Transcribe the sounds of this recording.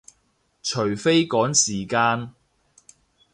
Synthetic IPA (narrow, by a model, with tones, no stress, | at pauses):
t͡ʃʰɵ˨˩ɥfe˥jkɔː˨˥ŋsiː˨˩kaː˧n